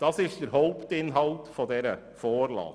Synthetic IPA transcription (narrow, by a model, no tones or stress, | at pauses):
d̪̥ɑːsɪst̪əɾɦoʊpt̪ɪnɦɑlt̪fɔd̪eːɾə | foːɾlɑ̰ː